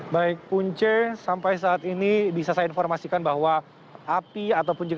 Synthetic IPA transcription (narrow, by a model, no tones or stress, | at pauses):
baɪk̚puɲt͡ʃəsampajs̬aːt̪inibisasainfɔrmasikanbaɦwa | ʔapiat̪awpʊnd͡ʒəɡ